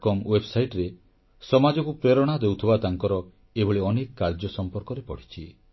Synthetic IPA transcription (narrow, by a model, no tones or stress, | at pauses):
kɔmwebsajʈɾe | sɔmad͡ʒɔkupɾeɾɔɽ̃ad̪ewt̪ʰibat̪aŋkɔɾɔ | ebʱɔɭiɔnekɔkːaɾd͡ʒɔsɔmpɔɾkɔɾepɔɽ̤i̥t͡ʃʰi